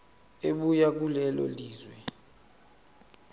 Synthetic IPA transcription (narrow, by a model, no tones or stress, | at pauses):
eɓujak̬ulɛlɔ̰liːzwɛ